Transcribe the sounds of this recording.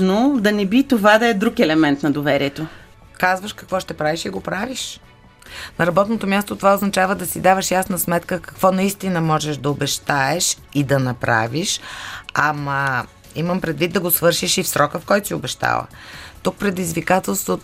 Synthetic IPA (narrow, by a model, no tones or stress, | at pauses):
nod̪ɐnɛbit̪ovad̪ɐɛd̪ɾukɛlɛmɛnt̪nɐd̪ovɛɾiɛt̪o | kazvəʃkɐkvɔʃt̪ɛpɾaviʃiɡopɾaviʃ | nɐɾɐbɔt̪not̪omʲjast̪ot̪ovaoznɐt͡ʃavəd̪ɐsid̪avəʃjasnəsmɛt̪kəkɐ̥kv̥ɔnɐist̪inəmɔʒɛʃd̪ɐobɛʃt̪aɛʃid̪ɐnɐpɾa̰viʃamɐ | iməmpɾɛd̪vit̪̚d̪ɐɡosvɤɾʃiʃifsɾɔkəfkɔjt̪o̥siʊbɛʃt̪a̰lˠə̰t̪uk̚pɾɛd̪izvikat̪ɛlˠst̪vo